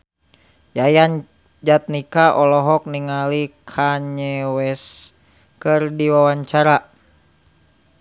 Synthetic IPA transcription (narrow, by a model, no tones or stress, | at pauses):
jajan | d͡ʒat̪̚nikaʔɔlɔɦɔk̚niŋalikʰaɲɛwɛs | kɨrdiwawaɲt͡ʃaɾa